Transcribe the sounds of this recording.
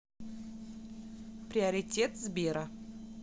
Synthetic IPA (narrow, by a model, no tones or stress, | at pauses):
pɾʲɪɐɾʲɪtʲet̪zbʲeɾə